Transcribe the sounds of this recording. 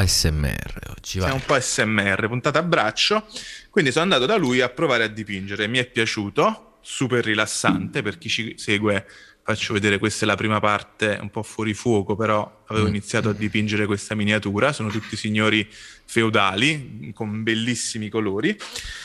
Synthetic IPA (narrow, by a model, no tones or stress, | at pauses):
ɛsːɛm̰ːɛ̰rḛɔ̰d͡ʒiamumpɔɛsːɛmːeɛrːepunt̪aːt̪aabːɾat͡ʃːokwind̪isonand̪aːt̪od̪alujapːɾovaːɾead̪ːipind͡ʒeɾemiɛpːjat͡ʃuːt̪o | superːilasːant̪eperk̟it͡ʃiseːɡwe | fat͡ʃːoved̪eːɾekwest̪ɛlapɾiːmapart̪eṵmpɔfːwɔːɾifwɔːkopeɾɔaveːvoinit̪sːjaːt̪oad̪ːipind͡ʒeɾekwest̪aminjat̪uːɾasoːnot̪ut̪ːisiɲːoːɾifeud̪aːlikombelːisːimikoloːɾi